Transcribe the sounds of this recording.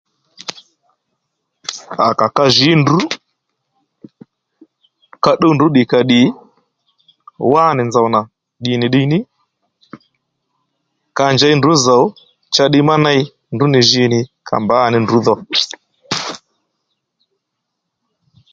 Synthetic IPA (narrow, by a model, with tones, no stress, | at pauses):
a̰˨ka˨ka˧ʒi˨˦ndu˨˦ | ka˧ɗo˦ndu˨˦ɗɪ˨ka˨ɗɪ˨˦ | waː˦˨nɪ˨nza˨wna˨ | ɗɪ˨nɪ˨ɗɪ˧nɪ˦ | ka˨nd͡ʒa˨˦jndu˨˦za˨u˦ | t͡ʃa˧ɗɪ˧ma˦na˦ɪ˦ | ndu˨˦nɪ˨ʒɪ˧˦nɪ˨kʰa̰˨mba˨˦˨nɪ˨ndu˨˦ðɔ˧